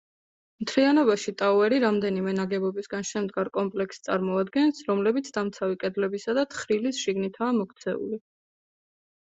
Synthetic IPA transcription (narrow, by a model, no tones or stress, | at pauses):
mt̪ʰlianɔbaʃit̪ʼauɛɾiɾamd̪ɛnimɛnaɡɛbɔbisɡanʃɛmd̪ɡaɾkʼɔmpʼlɛkst̪sʼa̰ɾmɔad̪ɡɛnsɾɔmlɛbit̪sʰd̪amt̪sʰawikʼɛd̪lɛbisad̪at̪ʰχɾilisʃiɡnit̪ʰaːmɔkʰt̪sʰɛṵli